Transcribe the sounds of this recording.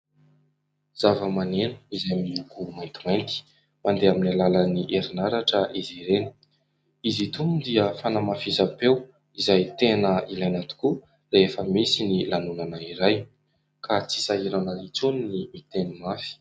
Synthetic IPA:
z̥avəmanenu̥izajmiukumajnt̪imajnt̪i̥ | mand̪eaminalaləniʔeɾinaɾaʈ͡ʂəʔiziɾeni̥ | izit̪umud̪iəfanamafizapew | izajt̪enəilajnat̪u̥ku | leefəmisinilanunanaiɾaj | kʰat͡si̥saiɾanəlit͡suninimit̪enimafi̥

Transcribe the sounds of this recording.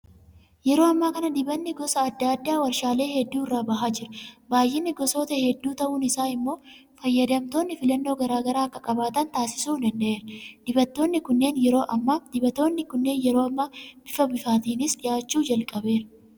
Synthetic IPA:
jɛɾo̞ːɐmːaːkɐnɐd̪ɪbɐnːɪɡɔsɐːd̪ːad̪ːaːwɐɾʃaːle̞ːhɛd̪ːuːɪrːaːbɐɦaːd͡ʒɪɾʊbaːjːɪnːɪɡɔso̞ːt̪ɐhɛd̪ːuːt̪ɐʔuːnɪsaːɪmːo̞ː | fɐjːɐd̪ɐmt̪o̞ːnːɪfɪlɐnːo̞ːɡɐɾaːɡɐɾaːɐkːɐkʼɐbaːt̪ɐnt̪aːsɪ̥suːd̪ɐnd̪ɐʔeːɾɐd̪̥ɪbɐt̪ːo̞ːnːɪkʊnːe̞ːnjɛɾo̞ːʔɐmːaːd̪ɪbɐt̪ːoːnːɪkʊnːe̞ːnjɛɾo̞ːɐmːaːb̥ɪfɐbɪfaːt̪iːnɪsᶑɪjaːt͡ʃːuːd͡ʒɐlkʼɐbe̞ːɾɐ̥

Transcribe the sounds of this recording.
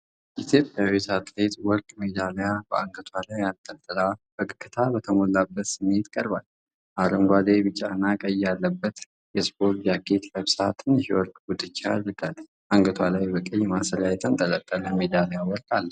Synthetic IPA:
jʔit̪ʰjo̞pʼjawisat̪let̪wɔɾkʼme̞d̪alejabəʔaŋɡət̪ʰwalajalt̪ʼːət̪ːɨɾab̥əkʼɨkːɨt̪ʰabət̪ʰəmo̞labːət̪sɨmːe̞t̪kʼəɾbal | ʔaɾəmɡʷad̪ebɨt͡ʃʼːanːakʼəjːalːəbːət̪ | jɛspʰo̞ɾt̪d͡ʒaɡet̪ləβsat̪ʰɨnhwɔɾkʼɡud̪ɨt͡ʃːaad̪ɾɨɡal | ʔaŋɡət̪ʰwalajbəkʼəjmasəljajɛt̪ʰənt̪ʼələkʼːələmed̪alejawɔɾkʼalːə

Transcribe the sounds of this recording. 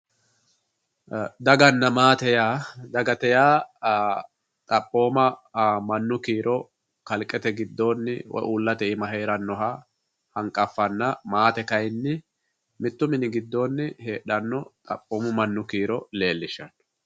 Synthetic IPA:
d̪ɐɡɐnːɐmaːt̪ɛjaːd̪ɐɡɐt̪ɛjaː | t̪ʼɐpʼːo̞ːmɐmɐnːʊkiːɾʔɔ | kɐlkʼɛt̪ɛɡɪd̪ːo̞ːnːɪwɔ̰ʔuːlːɐt̪ɛɪmɐɦeːɾɐnːɔɦa | hɐŋkʼːɐfːɐnːɐmaːt̪ɛkɐjnːɪ | mɪt̪ːʊmɪnɪɡɪd̪ːo̞ːnːɪhe̞ːɗɐnːɔt̪ʼɐpʼːo̞ːmʊmɐnːʊkiːɾɔle̞ːlːɪʃɐn

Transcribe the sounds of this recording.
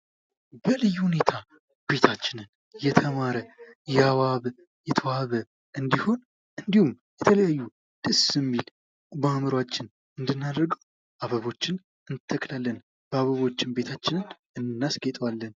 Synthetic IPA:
bəlɨjːhune̞t̪ʰa | b̥e̞t̪ʰat͡ʃːɪnɨn | jɛt̪ʰəmaɾəjɛaβaβ | jɛt̪ʰəwaβə | ʔɨnd̪iho̞n | ʔɨnd̪ihum | jɛt̪ʰələjajːu | d̪ɨsɨmːil | bamɨɾwat͡ʃːɪn | ɨnd̪ɨnːad̪əɾɡəw | ʔaβəβo̞t͡ʃːɪn | ɨnt̪ʰːəklalːən | b̥əaβəβo̞t͡ʃːɪnbe̞t̪ʰat͡ʃːɪnɨn | ɨnnːasɡɛt̪ʼwalːən

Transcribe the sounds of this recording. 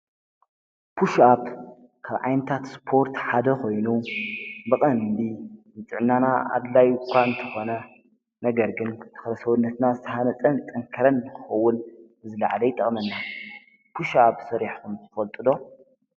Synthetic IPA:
pʰuʃaβ | kʰaβʕajnɨt̪ʰat̪spʰo̞ɾt̪ħad̪ɐkʰo̞jnu | bɨqʼɐnd̪imɨt͡sʼɨʕɨnːanaa̰d̪lajkʷʰːant̪ʰɐ̥xo̞nɐ | nɐɡɐɾɡɨnt̪ʰɐ̥xlɐsɐwunːɐt̪nazɨt̪ʰɐhanɐt͡sʼɐnt̪ʼɐŋkʰɐɾɐnɨkʰɨxɐwːʊnbɨzɨla̰ʕlɐjt̪ʼɐχʼmɐnːa | pʰuʃaβsɐɾiħkʰumzʰɨfɐlt̪ʼɨd̪o̞

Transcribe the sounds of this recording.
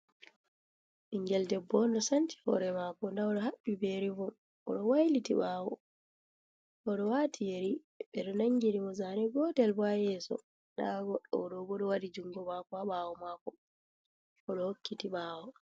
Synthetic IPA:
ʔiŋɡɛldɛbːɔndɔsanti̥hɔ̰ɾɛmaːkɔndaɔɗɔɦaɓːibeɾivɔ | ɔ̰ɗɔwajlitiɓaːwɔ | ʔɔɗɔwatʰijeɾi | ɓɛɗɔnaŋɡiɾimɔzanɛɡɔtɛlbajɛsɔ̰ | ɗaɡɔɗːɔɔɗɔbɔɗɔwadid͡ʒuŋɡɔmakɔaɓawɔmaːkɔ | ɔɗɔhokʰːitiɓawɔ

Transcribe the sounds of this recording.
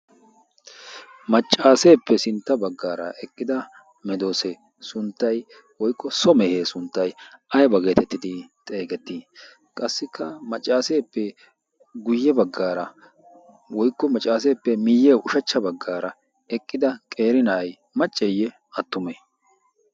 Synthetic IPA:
mɐt͡ʃʼːaːse̞ːpːɛsɪnt̪ːɐbɐɡːaːɾɐ̰ʔɛkʼːɪd̪ɐ | mɛd̪o̞ːseː | sʊnt̪ːɐj | wɔjkːɔsɔmɛheːsʊnt̪ːɐjʔɐjɐbɐɡe̞ːt̪ɛt̪ːɪd̪ɪt̪ʼe̞ːɡɛt̪ːiː | kʼɐsːɪkʰːɐmɐt͡ʃʼːaːse̞ːpːɛ | ɡʊjːɛbɐɡːaːɾɐ | wɔjkːɔmɐt͡ʃʼːaːs̬eːpːɛmɪjːɛʊʃɐt͡ʃːɐbɐɡːaːɾɐ | ɛkʼːɪd̪ɐkʼe̞ːɾɪnɐʔɐj | mɐt͡ʃʼːɛjːɛ | ɐt̪ːʊmeː

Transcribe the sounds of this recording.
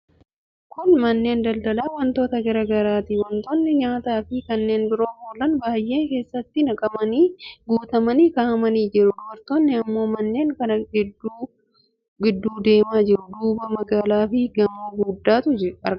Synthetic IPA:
kʊnmɐnːe̞ːnd̪ɐld̪ɐlaːwɐnt̪o̞ːt̪ɐɡɐɾɐɡɐɾaːt̪ɪwɐnt̪oːnːɪɲaːt̪aːfɪkɐnːe̞ːnbɪɾo̞ːhoːlɐnbaːjʔe̞ːŋke̞ːsːɐt̪ːɪnɐkʼɐmɐniːɡuːt̪ɐmɐniːkaːʔɐmɐniːd͡ʒɪɾʊd̪ɔbɐɾt̪onːɪɐmːo̞ːmɐnːe̞ːŋkɐnɐɡɪduː | ɡɪd̪ːuːd̪e̞ːmaːd͡ʒɪɾʊd̪uːbɐmɐɡaːlaːfɪɡɐmoːɡuːd̪ːaːt̪ʊd͡ʒɪɐ̰ɾ

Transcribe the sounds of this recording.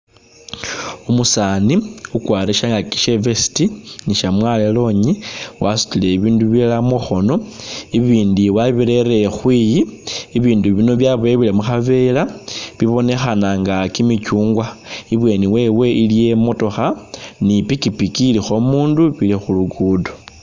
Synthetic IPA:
umusaniukwaːɾeʃaŋɡaki̥ʃevesi̥tiniʃamwalelo̞ɲiwasu̥tile̞iβiːnduβielamoxo̞no̞iβiːndiwaβiɾe̞ɾe̞xwiːjiːβiːnduβino̞βjaβojeβilemuxaβe̞laβiβo̞ne̞xanaŋɡakimicuːŋɡwaiβwe̞niwe̞we̞ʔilije̞mo̞to̞xanipikipikilixo̞muːnduβilexuluɡudo

